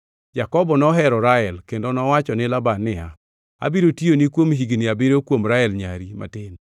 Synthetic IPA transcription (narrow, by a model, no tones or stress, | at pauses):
jakɔbɔnɔɦɛɾɔɾaɛlkendonɔwat͡ʃɔnɪlabanːɪa | a̰biɾotionikwomɦiɡnɪabɪɾokwomɾaɛlɲa̰ɾima̰tɪn